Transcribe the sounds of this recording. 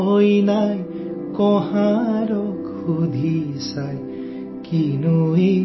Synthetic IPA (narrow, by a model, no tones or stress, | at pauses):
ojnaj | kɔɦaɾɔk | ud̪ʱisaj | kinui